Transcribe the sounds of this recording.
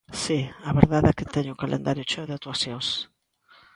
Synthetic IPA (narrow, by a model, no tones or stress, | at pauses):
siaβeɾðaðɛkɪt̪ɛɲʊkalʔḛ̃nd̪aɾjʊt͡ʃoðeat̪uaθjõŋs